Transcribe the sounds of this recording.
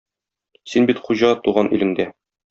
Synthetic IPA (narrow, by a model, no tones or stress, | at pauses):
sinbit̪χuʑɑt̪uʁɑnʔḭlɘ̆ŋd̪æ